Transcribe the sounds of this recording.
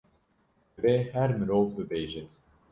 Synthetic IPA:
beːhæɾmɨɾoːvbɨbeːʒɪn

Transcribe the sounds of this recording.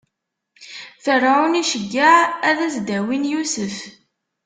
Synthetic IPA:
θərˤːawniʃəɡːaʕæðæsd̪æwinjusəf

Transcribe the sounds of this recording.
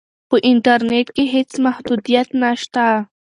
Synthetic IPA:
pʊʔɪnt̪aɾnet̪kɪɦɪt͡smahd̪ʊd̪ɪjat̪naʃt̪a

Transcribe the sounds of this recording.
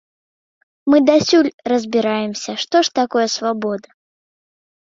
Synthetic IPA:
mɨd̪asʲulʲrɐzʲbʲiɾajɛmsʲɐʂt̪ɔʂt̪akɔjɐsvabɔd̪ɐ

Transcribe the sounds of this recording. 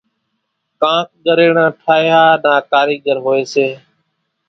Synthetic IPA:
kãːk̚ʰɠəɾeːɳãːʈʰaːjaːnaːkaːɾiːɠəɾɦoːeːseː

